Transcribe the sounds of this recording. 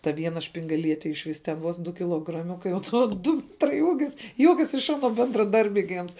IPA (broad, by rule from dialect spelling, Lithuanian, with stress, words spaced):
tɐ ˈʋʲiɛnɐ ʃʲpʲɪŋɡɐˈlʲiɛtʲɛ ɪʃ ˈʋʲɪs tʲɛn ˈʋoːs ˈdʊ kʲɪlˠoːɡrɐˈmʲʊkɐɪ oː ˈtoː ˈdʊ ˈmʲæːtrɐɪ ˈuːɡʲɪs ˈjuɔkʲɛs ɪʃ ˈɑːnoː bʲɛndrɐˈdɐrʲbʲɛɪ ɡʲɪ ˈɐns